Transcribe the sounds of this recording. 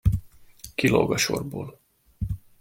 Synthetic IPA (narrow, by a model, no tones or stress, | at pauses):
kiloɡɒʃo̞rboːl